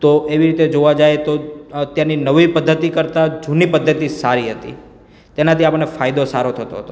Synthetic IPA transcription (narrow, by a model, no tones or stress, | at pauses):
t̪oeʋiɾit̪ed͡ʒoʋad͡ʒajt̪ot̪janinəʋipəd̪ʱːət̪ikəɾt̪ad͡ʒunipəd̪ʱːət̪isaɾiɦət̪ḭ | t̪enat̪ʰiapəɳɳefajd̪osaɾot̪ʰət̪o̰ɦət̪o